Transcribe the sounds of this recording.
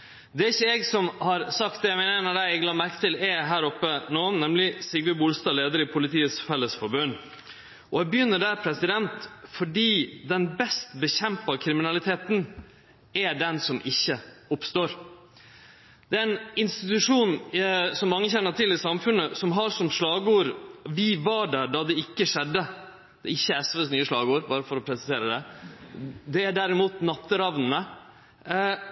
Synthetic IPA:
d̪ɛɾɪçːəɛːɡsɔmhɑɾsɑk̚t̪̚d̪ɛæmɛːnəɾɛnəɖæɪɛɡlɑːmæɾkə̥t̪ɪlɛɦæːɾɔpːənoːnɛmlɪsɪɡʋəbʊlst̪ɑːleːd̪əɾɪpʰʊlɪt̪ʰiːəsfɛlːəsfɔɾbøn | ʔɔɛbəjʏnːəɖæːɾpʰɾɛsɪd̪ɛnt̪fɔɖiːd̪ɛnbɛst̪bəçɛmpɑkʰɾɪmɪnɑlɪt̪ʰeːt̪n | æɖɛnsɔmʔɪçːəʊpst̪oːɾ | d̪̥ɛææɛnɪnst̪ɪt̪ʉʂuːnsɔmːɑŋːəçɛnːəʈʰɪlɪsɑmfʉnəsɔmɦɑɾsɔmʂlɑːɡəuːɾʋɪʋɑɖæɖɑd̪ɛɪkːəʂɛd̪ːə | d̪̥ɛ̰ɪçːəɛsʋɛsnyːəʂlɑːɡuːɾbɑːɾəfɔɾɔpʰɾɛsɪseːɾəd̪ɛ | d̪ɛæɖæɾɪmuːt̪nɑt̪ːəɾɑʋnn̩ə

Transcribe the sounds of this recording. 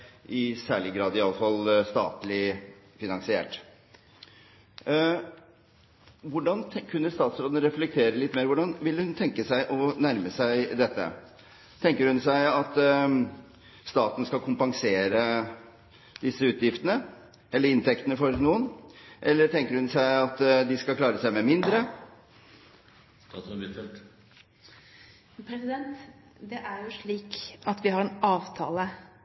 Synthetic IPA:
ʔɪsæːɭɪɡɾɑːd̪ɪɑlːəfɑlst̪ɑ̰ːt̪lɪ | fɪnɑŋsɪḛːʈ | ʋʊɖɑnkʰʉnːəst̪ɑːt̪sɾoːd̪ənəɾɛflɛk̚t̪ʰeːɾəlɪt̪ːmeːɾʋʊɖɑnʋɪlːəhʉnt̪ʰɛŋkəsæɪʔɔnæɾməsæɪd̪ɛt̪ːə̰ | t̪ʰɛŋkəɾhʉnsæɪɑt̪ | st̪ɑːt̪ənəskɑlkʰʊmpɑŋseːɾə | d̪ɪsːəʉːt̪jɪft̪ənə | ɛlːəɾɪnt̪ʰɛkt̪ənəfɔɾnuːənʔɛlːəʈ̪ʰɛŋkəɾhʉnsæɪɑt̪d̪ɪskɑlkʰlɑːɾəsæɪmɛmɪnd̪ɾə | ɛ | pʰɾɛsɪd̪ɛnt̪ | d̪ɛʔæɾjʊʂɭiːkɑt̪ʋɪɦɑɾɛnɑːʋt̪ʰɑ̰ːlə

